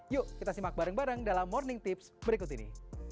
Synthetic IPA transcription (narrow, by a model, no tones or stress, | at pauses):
juʔkit̪asimak̚baɾəŋbaɾəŋdalamːɔrnɪŋt̪ɪpsbəɾikʊt̪inḭ